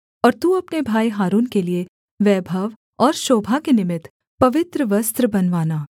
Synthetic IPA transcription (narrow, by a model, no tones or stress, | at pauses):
ɔːɾt̪uɐpnebʱaːiɦaːɾuːnkelie | ʋɛːbʱɐʋ | ɔːɾʃoːbʱakenɪmɪt̪ | pɐʋɪt̪ɾəʋɐst̪ɾəbɐnʋaːnaː